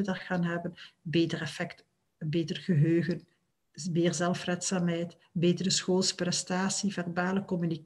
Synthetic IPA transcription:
ədarxaːnɦɛbənbeːtərɛfɛkt | beːtərɣəɦøːɣən | meːrzɛlˠfrɛtsaːmɦɛjt | beːtərəsxoːlˠsprɛstaːsivɛrbaːləkɔmynik

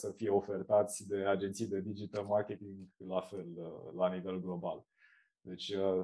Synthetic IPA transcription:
səfije̞o̞fe̞rt̪at̪sʲd̪e̞ad͡ʒent̪sijd̪e̞d̪id͡ʒit̪əlmarkʲe̞t̪iŋɡlafe̞ləːanive̞lɡlo̞bal | d̪e̞t͡ʃʲə

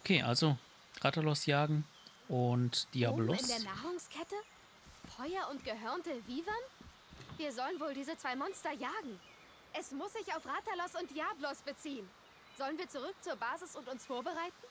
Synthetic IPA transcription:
ʔʔokʰeːʔalzo | ʁatɐlɔsjaːɡŋ̩ | ʔʊntd̥iablɔɪsndeːɐnaːʁʊŋskʰɛtə | fɔʏɐʊntɡ̥əɦœɐntəviːvɐn | viːɐzɔlənvoːldiːzət͡sv̥aɪmɔnstɐjaːɡŋ̩ | ʔɛsmʊsz̥ɪçaʊfʁatɐlɔsʊnt̚d̥jaːblɔsb̥ət͡siːən | z̥ɔlənviːɐt͡suʁ̞ʏk̚t͡suːɐbaːzɪsʊntʊnsfoːɐbəʁaɪtn̩

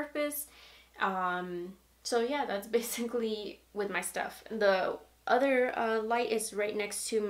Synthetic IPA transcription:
ə˞pɨsʔʌ̃m | soʊjæðætsb̥eɪsɪkliwɨðmaɪstʌ̰fn̩ði | ʔʌðə˞ʌlaɪɾɪzɹaɪtⁿnɛkstʰɨ

